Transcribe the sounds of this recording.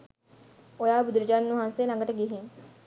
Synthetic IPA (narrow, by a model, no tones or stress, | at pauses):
ojaːbud̪ɾəd͡ʒannːuɦãnselɐ̃ŋɡəʈəɡiɦiŋ